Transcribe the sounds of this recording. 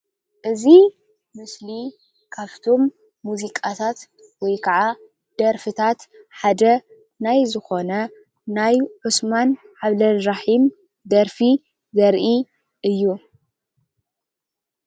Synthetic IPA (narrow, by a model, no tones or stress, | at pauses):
ʔɨzi | mɨsli | kʰaβt̪ʰo̞mː | uzikʼat̪ʰat̪ | wɔjkʰɐʕa | d̪̥ɐɾfɨt̪ʰat̪ħad̪ɐ | najzɨxo̞nɐ | najħɨsman | ʕaβlɐnɾaħim | d̪ɐɾfi | zɐɾʔi | ɨjːu